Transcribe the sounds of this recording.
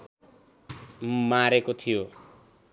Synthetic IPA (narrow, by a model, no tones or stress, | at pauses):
maɾekot̪ʰijo